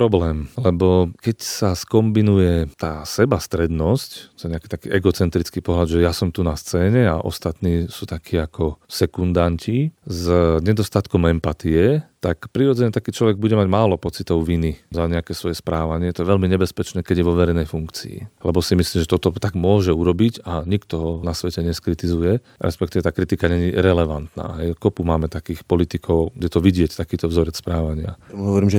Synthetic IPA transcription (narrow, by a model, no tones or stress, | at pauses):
pɾɔblɛːmlɛbɔkɛcsaskɔmbinujɛt̪aːsɛbast̪ɾɛd̪nɔsct̪ɔjɛɲɛaki̥t̪akiːʔɛɡɔt͡sɛnt̪ɾit͡skipɔɦlad̪ʒɛjasɔmt̪unast͡sɛːɲɛa̰ʔɔ̰st̪at̪niːsuːt̪akʰiːakɔsɛkund̪ancizɲɛd̪ɔst̪at̪kɔmɛmpat̪iɛt̪akpɾiɾɔd͡zɛɲɛt̪akiːt͡ʃlɔʋɛɡ̚buɟɛmaɟmaːlɔpɔt͡sit̪ɔʊʋinizaɲɛakɛːsʋɔjɛspɾaːʋaɲɪɛt̪ɔɛʋɛlmiɲɛbɛspɛt͡ʃnɛːkɛɟjɛʋɔʋɛɾɛjnɛjfuŋkt͡sḭḭlɛbɔsimisliːmʒɛt̪ɔt̪ɔt̪aɡmʊɔʒɛuɾɔbiɟaɲikt̪ɔɦɔnasʋɛcɛɲɛskɾit̪izujɛ | ɾʔɛ̰spɛkt̪iʋɛt̪aːkɾit̪ikaɲɛɲiɾɛlɛʋant̪na̰ːɦɛjkɔpumaːmɛt̪akiːxpɔlit̪ikʰɔʊɡdɛt̪ɔʋiɟɪɛct̪akiːt̪ɔvzɔɾɛtspɾaːʋaɲɪa̰muɦɔʋɔɾiːmʒɛ